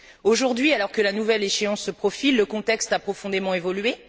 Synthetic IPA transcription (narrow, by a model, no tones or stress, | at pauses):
oʒuʁd̪ɥialɔʁkəlanuvɛleʃeɑ̃sːəpχɔfilːəkɔ̃t̪ɛkst̪apχɔfɔ̃d̪emɑ̃evɔlɥe